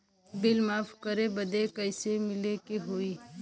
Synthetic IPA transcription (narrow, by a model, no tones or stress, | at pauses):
bɪlmaːpʰkəɾebəd̪ekəɪsemɪlekeɦoi